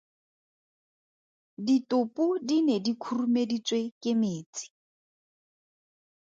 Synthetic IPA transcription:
ditʼʊpʼudinedikʰurumedit͡sʼwekʼɪmeːt͡sʼi̥

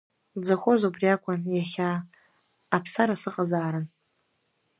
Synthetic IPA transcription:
d͡zaxʷozobriakʷʰʼanjaχʲaː | pʰsaɾasɨqʼazaːɾɨn

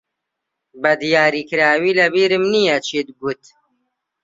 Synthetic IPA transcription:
bɐd̪jaːɾikɾaːwilɐbiːɾimnijat͡ʃʰit̪ɡut̪

